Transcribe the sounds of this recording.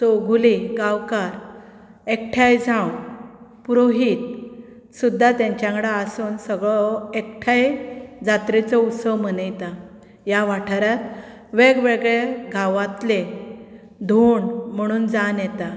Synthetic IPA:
t̪oɡʱuliɡawkaɾ | ek̚ʈʰajd͡zʱãwpuɾoɦiːt̪̚ | sud̪ʱːat̪jãɲt͡ɕjãŋɡɽaəsuːnsəɡɭɔek̚ʈʰajd͡zat̪ɾit͡səut̪səʋmənəjt̪a | jaʋaʈʰaɾat̪ | ʋeɡʋeɡɭeɡʱaʋat̪le | d̪ʱuːɳm̤əɽ̃uːnd͡zanjɛt̪a

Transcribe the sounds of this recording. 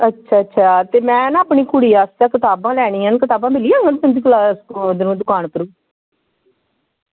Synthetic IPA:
ətːʃʰaːtːʃʰaːt̪eːmɛ̃ːnaːpɳiːkʊɽiːaːst̪aːkɪt̪aːbãːlɛːɽ̃iːɦənkɪt̪aːbãːbɪliːãːŋɡəənd̪iːklaːsd̪nũːd̪ʊkaːɳkəɾũː

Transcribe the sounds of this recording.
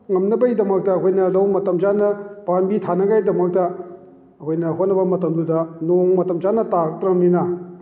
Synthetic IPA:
ŋɐmnɐbɐjdɐmɐk̚tɐːkʰojnɐlɐwmɐtɐmd͡ʒanɐb̥anbitʰanɐɡajdɐmɐk̚tɐ | ɐkʰojnɐhot̚nɐbɐmɐtɐmdudɐnoŋmɐtɐmzanɐtaɾk̚tɾɐmninɐ

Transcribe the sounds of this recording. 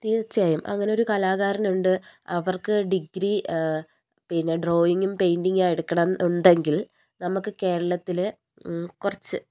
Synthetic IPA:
t̪iːrt͡ɕːaːjumʔɐ̰ŋːɐneo̞ɾukɐlaːɣaːɾɐnuɳɖɨɐʋɐrkɨɖiɡɾi | pinːɐɖro̞ːjiŋɡumpe̞jnɖiŋɡaːjiɽukːɐɳɐʔenɖe̞ŋɡil | nɐmukːɨke̞ːɾɐɭɐt̪ːil | kurɐt͡ɕːɨ

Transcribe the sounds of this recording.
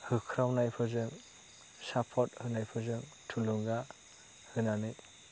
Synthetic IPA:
hɯkʰɾawnajpʰɯzɯŋ | sapʰɔt̚hɯnajpʰɯzɯŋ | tʰuluŋɡa | hɯnanɯ

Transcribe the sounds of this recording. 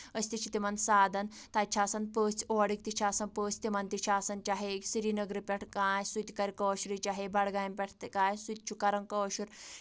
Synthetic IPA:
əst̪it͡ʃʰit̪imansaːd̪ɐnt̪ajt͡ʃʰaːsɐnpəːt͡soaɽik̚t̪it͡ʃʰaːsɐnpəːt͡st̪imant̪it͡ʃʰaːsɐnt͡ʃaɦesiɾinəɡɾipʲɐʈʰkajsujt̪ikaɾʲkəʃɾit͡ʃaɦebaɽɡajɐmpʲɐʈʰt̪kajsut̪̚t͡ʃʰukaɾɐŋkəʃuɾ

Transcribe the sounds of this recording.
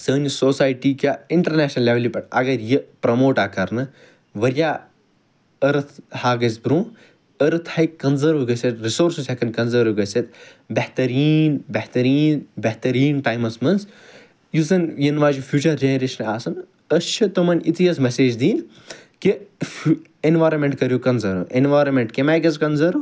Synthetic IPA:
səːnʲsoːsaːjʈiːkʲaiɳʈɐɾneːʃnɐlːeʋlipɐʈɐ̰ɡɐɾjipɾɐmoːʈaːkɐɾnɨ | ʋɐɾʲjaː | əɾɐt̪ʰhaːɡɐsbɾũː | əɾɐt̪ʰhɐjkɐnzəɾʋɡɐsʲɐt̪ɾisoːɾsusekɐnkɐnzəːɾʋɡɐsʲɐt̪bɐht̪ɐɾiːnbɐht̪ɐɾiːnbɐht̪ɐɾiːnʈaːjmɐsmɐnz | jizɐnjinʋaːd͡ʒufʰʲjuːt͡ʃɐɾd͡ʒeːɾiʃnaːsɐn | ɐst͡ʃʰɨt̪ɐmɐnʲit̪ijɐsmɐseːd͡ʒd̪iːnʲ | ki | enʋaːɾɐmeɳʈkɐɾjukɐnzɐɾṵʔenʋaːɾɐmeɳʈkemaːjɡɐzkɐnzɐɾu

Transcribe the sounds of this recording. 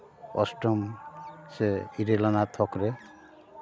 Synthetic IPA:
ɔ̰sʈɔmseiɾelɔnat̪ʰɔkɾɛ

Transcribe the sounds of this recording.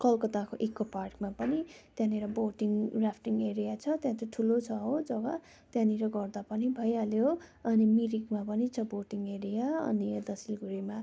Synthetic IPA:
kʌlkʌt̪akoʔekːoparkmapʌnit̪jãniɾʌboʈiŋrapʰʈiŋɡeɾijat͡sʰʌt̪jãt̪oʈʰulot͡sʰʌɦod͡zʌɡʌ | t̪jãniɾʌɡʌrd̪apʌnibʱʌjaljoʌnimiɾikmapʌnit͡sʰʌboʈiŋɡeɾijaʌ̰nid̪ʌsilɡuɾima

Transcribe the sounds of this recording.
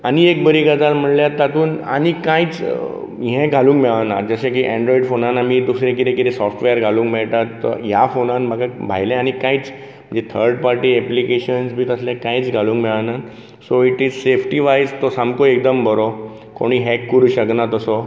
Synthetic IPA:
aniekbəɾiɡad͡zalm̤əɳljat̪ːat̪uːna̰nikãjt͡s | ɦẽɡʱalũːŋkmɛɭana̰ɾd͡zəɕek̬iʔɛ̃ɳɖɾɔiɖfonanːamid̪usɾẽk̬it̪ẽkit̪ʰesɔfʈʋeəɾɡʱalũːŋkmɛɭt̪at̪ːɔ̰ɦjafonanməɡʱabʱa̰jlẽañikãit͡s | əd͡ʑet̪ʰəɾɖpaɾʈiːɛplikeɕənsbʱiːt̪əslãkãit͡sɡʱalũːŋkmɛɭana | soiʈiːd͡zsefʈiʋajd͡zt̪ɔsamkoek̚d̪əmbəɾɔ | ko̰ɽ̃iɦɛkːəɾuːɕəknat̪ɔsɔ

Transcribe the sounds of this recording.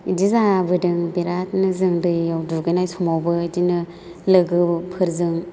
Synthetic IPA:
idizabɯdɯŋbiɾat̚nɯzɯŋdɯjawduɡɯjnajsumawbɯdinɯ | lɯɡɯpʰɯɾzɯŋ

